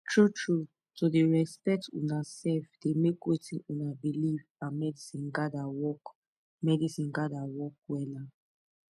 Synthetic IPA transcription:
tʰɹutʰɹu | todeɹɛspɛk̚tṵnasɛfd̥emekwetĩnũnabilivãmɛdisĩnɡadawɔk | mɛdisĩnɡadawɔk̚wɛla

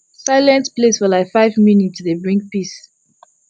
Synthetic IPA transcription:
saɪlɛ̃ntplesfɔlaɪfaɪvmjunitsðebɹĩŋk̚pis

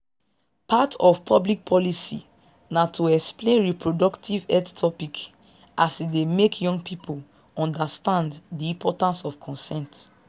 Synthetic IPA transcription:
patʰɔfpʰɔblik̚pʰɔlisḭ | natʰoɛksplẽnɹipʰɹodɔktʰivɛdtʰɔpik | asidemekʰjɔ̃ŋɡ̚pʰipʰol | ɔ̃ndastãnddiĩmpʰɔtãnsɔfkʰɔ̃nsɛ̃nt

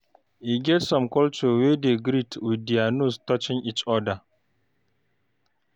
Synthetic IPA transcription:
ʔiɡʲɛtsɔmkɔlt͡ʃowedeɡɾitʰudianustɔt͡ʃɪnʔit͡ʃɔda

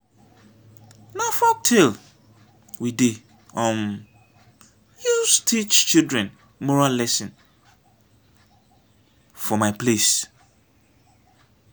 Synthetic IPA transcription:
nafɔk̚tʰil | wide | ɔ̃m | justʰit͡ʃt͡ʃildɹɛ̃n | mɔɹallːɛsɪ̃n | fɔmãɪpʰles

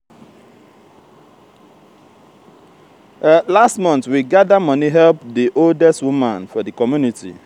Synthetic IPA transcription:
lastmɔ̃ntwiɡadamʌniɦɛlp̚diʔoldɛstwumãnfɔðikɔmjunitḭ

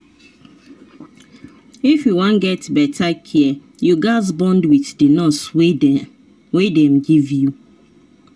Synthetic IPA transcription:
ifjuwɔ̃nɡɛtbɛtʰakʰiɛ | juɡazbɔ̃ndwiθdenɔsw | wedɛ̃mɡivju

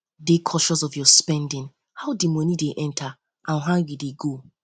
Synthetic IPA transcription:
dekʰɔʃɔsɔfjɔspɛ̃ndɪ̃n | haʊdimɔnideʔɛ̃ntʰa | ʔãnɦãnjideɡo

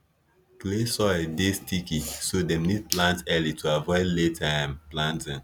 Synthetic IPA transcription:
klesɔdestikisodɛ̃mnid̚plãntɛlitʰuavɔɪletʰãmplãntɛ̃n

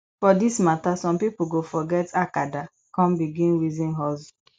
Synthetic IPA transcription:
fɔdismatasɔ̃mpipuɡofɔɡɛtakada | kɔ̃mbiɡĩnwizĩnɦɔz

